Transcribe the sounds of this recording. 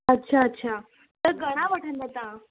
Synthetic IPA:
ətːɕʰaətːɕʰa | t̪əɡəɽ̃ãʋəʈʰənd̪ət̪ã

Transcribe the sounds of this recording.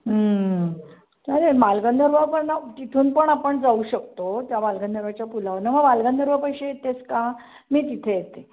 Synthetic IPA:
ɦə | aɾemalɡənd̪ʱəɾʋapəɾnat̪it̪ʰuːnpəɳapəɳd͡zauːɕək̚t̪ot̪jamalɡə̃nd̪ʱəɾʋat͡ɕjapulaʋnaməɡmalɡə̃nd̪ʱəɾʋapəɕet̪et͡skã | miːt̪it̪ʰejet̪e

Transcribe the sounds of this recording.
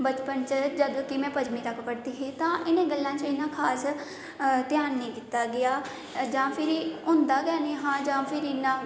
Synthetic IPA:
bət͡ʃpənt͡ʃəd͡ʒəd̪kɪmɛ̃ːpəd͡ʒmiːt̪əkːpəɽd̪iːɦeːt̪ãːʔɪnẽːɡəlːãːt͡ʃɪnãːkʰaːs | t̪ɪjaːnːĩːkɪt̪ːaːɡɪjaː | d͡ʒãːpʰɪɾiʊ̃ːnd̪aːɡaːneːɦãːd͡ʒãːpʰɪɾɪnːãː

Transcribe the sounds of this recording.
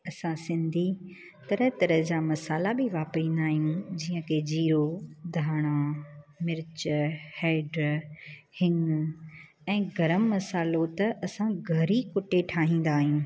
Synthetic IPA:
ɐsãsɪ̃nd̪ʱi | t̪ɐɾət̪ɐɾəd͡ʑaːmɐsaːlabɪʋaːpɾĩːn̆d̪aːɦijũd͡ʑiːə̃kʰeːd͡ʑiːɾod̪ʱaːɽ̃amɪɾɪt͡ɕheːɪɖɾhɪŋ | ɛ̃ːɡɐɾəmːɐsaːlot̪ɐʔɐsãɡʱɐɾikʊʈeʈʰaːɦĩːn̆d̪aːɦijũː

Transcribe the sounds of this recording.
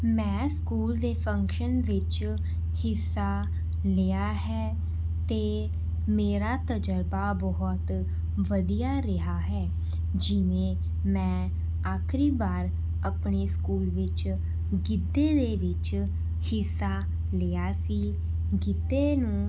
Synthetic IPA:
mɛ̃ːskuːld̪eːpʰə̃ŋkʃənʋɪt͡ʃ | hɪsːaː | lɪaːɦɛː | t̪eː | meːɾaːt̪əd͡ʒəɾbaːbɔɦɔt̪ | ʋəd̪ijaːɾɪɦaːɦɛː | d͡ʒɪʋẽː | mɛ̃ː | aːkʰɾiːbaːɾ | əpɳeːskuːlʋɪt͡ʃ | ɡɪd̪ːeːd̪eːʋɪt͡ʃ | hɪsːaː | leaːsiː | ɡɪd̪eːnũː

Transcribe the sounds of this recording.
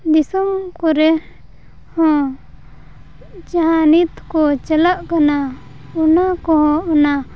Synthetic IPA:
d̪isɔmkɔɾɛ | hɔ̃ | d͡ʒaɦanit̪kɔt͡ʃəlaʔkana | unakɔɦɔ̃ɔna

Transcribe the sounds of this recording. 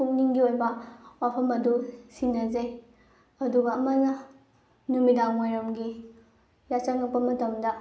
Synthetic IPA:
kʰuk̚niŋɡiojbɐapʰɐmɐdusinːɐzej | ɐduɡɐːmɐnɐ | numidaŋmojɾɐmɡi | jat͡ʃaŋɐk̚pɐmɐtɐmdɐ

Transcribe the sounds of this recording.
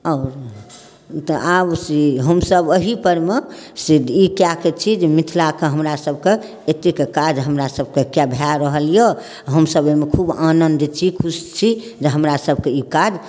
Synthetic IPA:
ɔːɾ | t̪ɔʔabsiɦəmsəboɦipəɾmesid̪ikjaket͡ʃʰid͡ʒemit̪ʰlakeɦəmɾasəbʱke | et̪ekekad͡ʒɦəmɾasəb̚kekjabʱjaɾəɦəlije | ɦəmsəbemekʰubanənd̪t͡ʃʰikʰust͡ʃʰi | d͡ʒeɦəmɾasəb̚ʱkeikad͡ʒ

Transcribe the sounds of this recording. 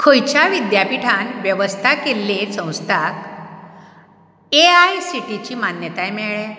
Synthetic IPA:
kʰojt͡ɕaʋid̪japiʈʰanʋjəʋəst̪ʰakelːesə̃w̃st̪ʰak | eajsiʈit͡ɕiːmanjət̪ajmɛɭɛ

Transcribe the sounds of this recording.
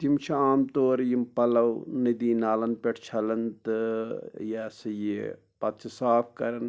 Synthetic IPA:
t̪imt͡ʃʰiaːmt̪oːɾjimpɐlɐwnid̪iːnaːlɐnpeʈʰt͡ʃʰɐlɐnt̪ɨjasɐje | pɐt̪t͡ʃʰisaːpʰkɐɾɐn

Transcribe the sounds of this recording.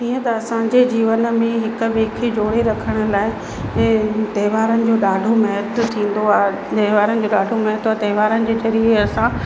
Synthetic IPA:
iːə̃t̪ɐɐsãɲd͡ʑed͡ʑiːʋənə̆mẽɦɪkʊ̆ʋeːkʰed͡ʑoːɽeɾɐkʰəɽ̃ʊ̆laːɪ̃ː | t̪ɐːʋaːɾənɪ̆d͡ʑoːɗaːɖʱomɐɦət̪t̪ʰĩːn̆d̪oaː | t̪ɛːʋaːɾənɪ̆d͡ʑoːɗaːɖʱomɐɦət̪aːt̪ɐɦʋaːɾənɪ̆d͡ʑeːd͡ʑɐɾieɐsã

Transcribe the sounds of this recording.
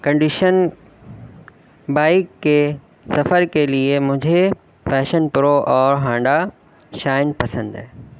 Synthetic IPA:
kɐ̃ɳɖɪʃən | baːɪkːe | sɐfəɾkeliemʊ̃ɦɪ̃ɲd͡ʑe | fɛːʃənpʊɾoʔɔːɾɦãːɳɖa | ʃaːɪnpɐsə̃nd̪aːɦ

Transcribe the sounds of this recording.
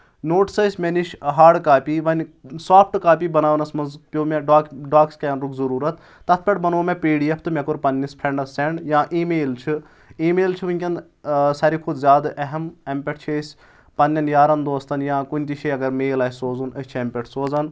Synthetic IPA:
noːʈsəsʲmʲeniʃɦaːɖkaːpiːʋɐnʲsaːpʰʈkaːpibɐnaːʋnɐsmɐnzpʲjoːmʲeɖaːkɖaːkskejɐnɾukzɐɾuːɾɐt̪ | t̪ɐt̪ʰpʲɐʈbɐnoːmẽpiːɽijɐpʰt̪ɨmʲekuɾpɐnʲːɐspʰɾeɳɖɐsːeɳɖjãːʔiːmeːlt͡ʃʰi | iːmeːlt͡ʃʰiʋɨnʲkʲɐn | sɐɾikʰud̪zʲaːd̪ʔɐɦɐmɐmpʲeʈʰt͡ʃʰesʲ | pɐnʲːɐnjaːɾɐnd̪oːst̪ɐnjãːkunʲt̪iʃʰiɐɡɐɾmeːlɐːsoːzunət͡ʃʰɐmʲpʲɛʈʰsoːzɐn

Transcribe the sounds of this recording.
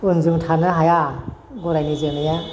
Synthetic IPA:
unzuŋtʰanɯɦajaɡɔɾajnizɯnɯja

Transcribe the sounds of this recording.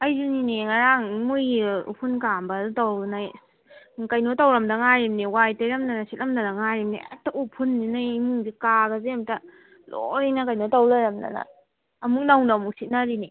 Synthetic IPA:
ɐjzuniniŋaɾaŋmujṵpʰunkambɐdtawnaj | kajnotawɾɐmdɐŋaɾimniwajtajɾamnanasit̚lɐmnanaŋaɾimnia̰taʔupʰunːinajmuŋdikaɡɐzemtɐ | lo̰jnakajnotawlaɾɐmna̰nɐ̰ | ɐmuk̚nawnamuk̚sit̚naɾini

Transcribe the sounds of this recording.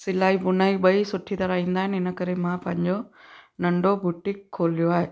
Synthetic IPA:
sɪlaːibʊnaːiɓɐisʊʈʰit̪ɐɾaĩːnd̪aːɦɪnɪnə̆kɐɾemãpɐ̃ɦɪ̃ɲd͡ʑonɐɳɖobuʈɪkʰːoːlijoaːɦeː

